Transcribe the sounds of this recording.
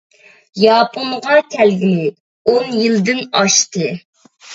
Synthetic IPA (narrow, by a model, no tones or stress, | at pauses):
jɑːpʰonʁɑkʲʰælɡʲɪnɪ | onjild̪ɪnɑʃt̪ɨ